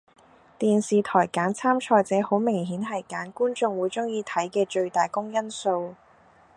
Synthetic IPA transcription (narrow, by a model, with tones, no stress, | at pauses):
t̪iː˨nsiː˨t̪ʰɔː˨˩jkaː˨˥nt͡sʰaː˥mt͡ʃʰɔː˧jt͡sɛː˨˥ho˨˥wmɪ˨˩ŋɦiː˨˥nɦɐ˨˩jkaː˨˥nkuː˥nt͡sʊ˧ŋwuː˨˧jt͡sʊ˥ŋjiː˨˧t̪ʰɐ˨˥jkɛː˧t͡ʃɵ˧ɥt̪aː˨jkʊ˥ŋjɐ˥nso˧w